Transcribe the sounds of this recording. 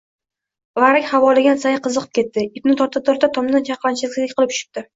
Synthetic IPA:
vaɾɪkʲhavɒlɪɡʲansajqɨzɨqʰɨ̥p̚kʲe̞t̪ːɪɪp̚nɪt̪ʰɒɾt̪ʰɪp̚t̪ʰoɾt̪ʰat̪ʰɒmd̪ant͡ʃʰɑqlˠant͡ʃʰɪlɪkʲsɪɪkʲqɨlɪp̪ʰʊ̥ʃɪ̥p̚t̪ʰɪ

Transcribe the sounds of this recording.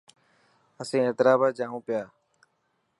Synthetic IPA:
əsĩːeːt̪ɪɾaːbaːd͡ʒãːɦũːpɪjaː

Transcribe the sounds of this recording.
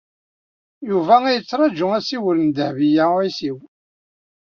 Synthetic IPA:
juvææjət͡sːɾˤɑd͡ʒʊæsiwələnd̪əhvijæisiw

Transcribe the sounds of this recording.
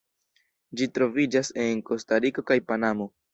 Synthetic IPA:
d͡ʒitɾo̞vid͡ʒase̞nko̞staɾiko̞kajpanamo̞

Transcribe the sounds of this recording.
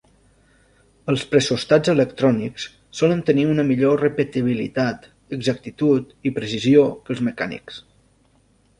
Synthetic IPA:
əlˠspɾəsust̪ad͡zələkt̪ɾɔniks | sɔlənt̪əniunəmiʎorəpət̪iβ̞ilḭt̪at̪ | əɡzak̚t̪it̪ut̪ipɾəsiziokəlˠzməka̰nḭks

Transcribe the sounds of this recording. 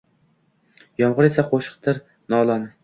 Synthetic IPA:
jɒmʁʊɾesaqʰoʃɨ̥q̚t̪ʰɪɾ | nɒlˠɒn

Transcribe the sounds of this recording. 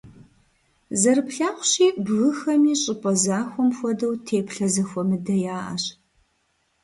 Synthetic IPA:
zɐɾɨpɬaːχʷʊɕiːbɣɨxɐmiːɕʼɪpʼɐzaːxʷɔmxʷɔdɐwtʰeːpɬɐzɐxʷɔmɨdɐjaːʔɐ̰ɕ

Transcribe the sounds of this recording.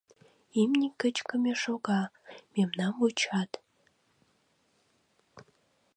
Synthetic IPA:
imnʲikːət͡ɕkə̆mʲeʃoɣɑmemnɑmut͡ɕɑt̪

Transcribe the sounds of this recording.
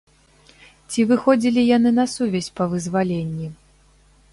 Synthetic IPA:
t͡sʲivɨxɔd͡zʲilʲijanɨnɐsuvʲɐsʲpɐvɨzvalʲenʲːi

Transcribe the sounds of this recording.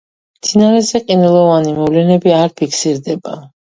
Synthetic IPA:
mt̪sʰinaɾɛzɛqʼinɛlˠɔvanimɔvlɛnɛbiaɾpʰikʰsiɾd̪ɛba

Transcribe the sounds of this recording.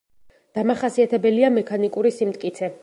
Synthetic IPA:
d̪̥amaχasiat̪ʰɛbɛliamɛkʰanikʼuɾisimt̪̚ʼkʼit̪sʰɛ

